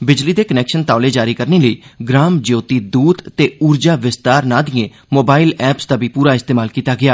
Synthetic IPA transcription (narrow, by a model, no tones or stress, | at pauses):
bɪd͡ʒliːd̪eːkənɛːkʃənt̪aːleːd͡ʒaːɾiːkəɾneːləiːɡɾaːmd͡ʒoːt̪iːd̪uːd̪t̪eːuːɾd͡ʒaːʋɪst̪aːɾnãːd̪ɪẽː | moːbaːɪlɛːpsd̪aːbiːpuːɾaːɪst̪eːmaːlkiːt̪aːɡɪaː